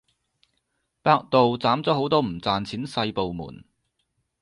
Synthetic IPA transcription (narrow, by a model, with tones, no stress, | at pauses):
paː˧k̚t̪o˨wt͡saː˨˥mt͡sɔː˨˥ho˨˥wt̪ɔː˥m̩˨˩t͡saː˨nt͡sʰiː˨˥nsɐ˧jpo˨wmṵː˨˩n